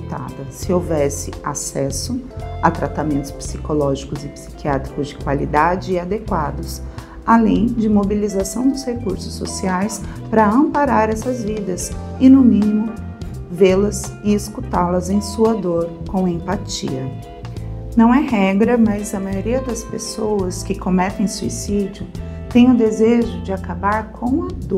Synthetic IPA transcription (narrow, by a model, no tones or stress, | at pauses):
t̪a̰d̪ɐsɪowvɛsɪasɛsʊat̪ɾat̪amẽnt̪ʊ̥spsikolɔʒikʊzɪpsi̥kʰiat̪ɾi̥kʊzd͡ʒɪkwa̰lḭd̪ad͡ʒɪːad̪ekwad̪ʊs | alẽj̃d͡ʒɪmobilizasɐ̃w̃d̪ʊshekuɾsʊsːo̰siajspɾɐɐ̃mpaɾaɾɛsɐzvid̪ɐsɪnʊmĩnimʊ | velɐzɪɪskut̪alɐzẽj̃suɐd̪oɾkõẽpat͡ʃḭɐ | nɐ̃w̃ɛhɛɡɾɐmɐzɐmajoɾiɐd̪ɐspesowɐskɪkomɛt̪ẽj̃suḭsid͡ʒʊ | t̪ẽj̃ʊd̪ezeʒʊd͡ʒɪakabaɾkʰõw̃ad̪o